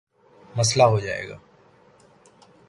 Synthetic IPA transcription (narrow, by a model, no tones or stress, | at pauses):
məs̬laɦoːd͡ʒaːḛːɡa̰ː